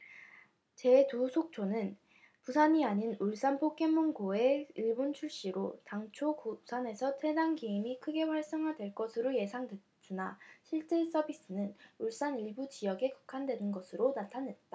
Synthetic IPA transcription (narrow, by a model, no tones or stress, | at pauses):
t͡ɕe̞tusʰok̚t͡ɕʰonɯn | pusʰaɲiaɲinuɭs͈anpʰok͈emːunɡoe̞iɭbont͡ɕʰuɭɕ͈iɾotaŋt͡ɕʰokusʰane̞sʰʌtʰe̞daŋɡiimikʰɯɡe̞ɸwaɭs͈ʌŋɦadwe̞ɭk͈ʌsʰɯɾoje̞sʰaŋdwe | t͡ɕ͈unaɕʰiɭt͡ɕ͈e̞s͈ʌbis͈ɯnɯnuɭs͈aniɭbud͡ʑijʌɡe̞kɯ̥kʰandwe̞nɯnɡʌsʰɯɾonatʰanɦe̞t̚t͈a